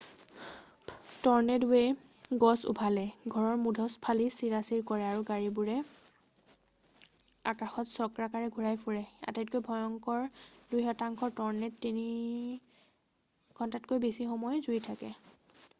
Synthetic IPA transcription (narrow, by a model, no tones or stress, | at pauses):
tɔɹnɛduwɛ | ɡɔsṵpalɛɡʱɔɹɔɹmudʱɔspʰalisiɹasiɹkɔɹɛaɹuɡaɹibuɹɛ | a̰kaxɔtsɔkɹakaɹɛɡʱuɹajpuɹɛa̰tɛt̚kojbʱɔjɔŋkɔɹdujxɔtaŋkʰɔɹtɔɹnɛtːini | kʰɔntatkojbisixɔmɔjzujtʰakɛ̰